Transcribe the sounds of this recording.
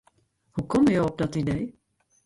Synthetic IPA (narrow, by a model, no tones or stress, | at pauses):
hukɔməjɔwɔp̚dɔtidej